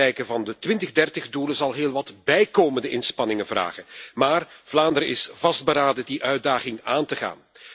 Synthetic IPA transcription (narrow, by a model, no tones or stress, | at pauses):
ɛjkəvɑndətʋɪntəɣdɛrtəɣduləzɑlˠɦeːlˠʋɑtbɛjkoːməndəʔɪnspɑnɪŋənvra̰ːɣənmaːrv̥laːndəɾɪsv̥ɑsd̚bəɾaːdədiʔœɥdaːɣɪŋaːntəɣa̰ːn